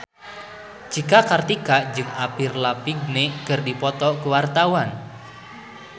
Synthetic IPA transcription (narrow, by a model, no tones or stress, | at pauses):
t͡ʃikakart̪ikad͡ʒɨŋapirlapiɡ̚nekɨrdipɔt̪ɔkəwart̪awan